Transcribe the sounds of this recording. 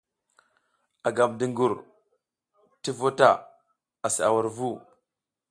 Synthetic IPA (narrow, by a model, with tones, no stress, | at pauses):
a˨ɡa˨b̚di˨ŋɡu˨ɾ | ti˦vo˦ta˨ | a˨si˨a̰˨wa˨ɾvu˦